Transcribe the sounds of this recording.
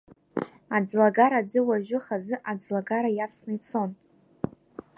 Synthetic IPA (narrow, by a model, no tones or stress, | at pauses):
ad͡zlaɡaɾad͡zɨwaʒʷᶣʊχazɨʔad͡zlaɡaɾajapsnɨit͡sʰo̞n